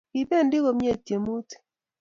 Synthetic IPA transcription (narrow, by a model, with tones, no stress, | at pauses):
i˨be˦˨ndɪ˦ko˨mje˦˨tje˨mu˦t